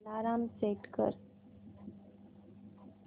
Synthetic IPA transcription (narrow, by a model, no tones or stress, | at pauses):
laːɾaːmseːʈkə̰ɾ